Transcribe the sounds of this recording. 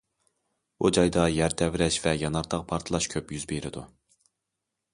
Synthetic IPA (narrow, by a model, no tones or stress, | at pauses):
ud͡ʒɑjd̪ɑjæɾt̪ʰɛvɾɛʃvɛjɑnɑɾt̪ʰɑq̚pʰɑɾt̪ʰɨlˠɑʃkʲʰøpjyzbeɾɪd̪u